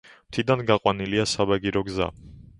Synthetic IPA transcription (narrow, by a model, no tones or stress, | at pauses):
m̥t̪ʰid̪anɡaqʼwaniliasabaɡiɾɔɡza̰